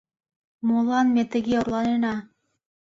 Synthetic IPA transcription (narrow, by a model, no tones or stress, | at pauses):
molˠɑnmet̪ə̆ɣeorlˠɑnenɑ